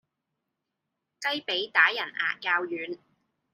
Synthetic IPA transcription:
kɐ˥jpe˨˥jt̪aː˨˥jɐ˨˩na̰ː˨kaː˧wjyː˨n

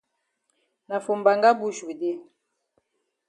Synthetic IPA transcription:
na˨fo˨mba˨ŋɡa˦bu˦ʃe˨de˦

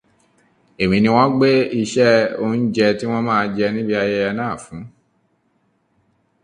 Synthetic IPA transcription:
e˨mĩ˨nĩ˧w̃ɔ̃˦ɡ͡be˦i˧ʃɛ˦o˧˦n̩˦d͡ʒɛ˧ti˦w̃ɔ̃˦mãː˦˧d͡ʒɛ˧nĩ˦bi˦a˧jɛ˧ɛ˧nãː˦˨fũ˨˦

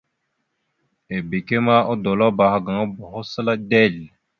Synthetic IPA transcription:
e˨be˨ke˦ma˦ʔo˦do˨la˦ba˨ha˨ɡa˨ŋa˦bo˨ɦo˦sə˦la˦dɛ˦˨l

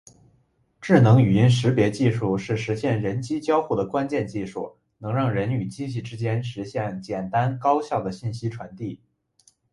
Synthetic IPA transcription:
ʈ͡ʂɻ̩˥˩nɤ˧˥ŋy˨˩i˥nʂɻ̩˧˥pjɛ˧˥t͡ɕi˥˧ʂu˥˩ʂɻ̩˥˩ʂɻ̩˧˥ɕjɛ˥˩nɻə˧˥nt͡ɕi˥t͡ɕjɑ˥ʊxu˥˩d̪ə˩kwa˥nt͡ɕjɛ˥˧nt͡ɕi˥˧ʂu˥˩ | nɤ˧˥ŋɻɑ˥˩ŋɻə˧˥ny˨˩t͡ɕi˥˧ɕ̬i˥˩ʈ͡ʂɻ̩˥t͡ɕjɛ˥nʂɻ̩˧˥ɕjɛ˥˩nt͡ɕjɛ˨˩nt̪a˥nkɑ˥ʊɕjɑ˥˩ʊd̪ə˩ɕi˥˩nɕi˥ʈ͡ʂʰwa˧˥nt̪i˥˩

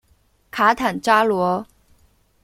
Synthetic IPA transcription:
kʰa˧˥t̪ʰa˨˩nʈ͡ʂa˥lwɔ˧˥

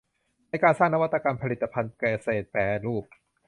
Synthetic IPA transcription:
na˧jkaː˧nsaː˥˩ŋna˦wa˥t̪ːa˧ka˧mpʰa˧li˨˩t̪ːa˧pʰa˧nkɛː˧˩seː˨˩t̪̚pɛː˨˩luː˥˩k̚

